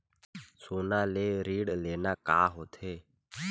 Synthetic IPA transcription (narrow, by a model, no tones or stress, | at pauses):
soːnaːleːɾiːɽleːnaːkaːɦoːt̪ʰeː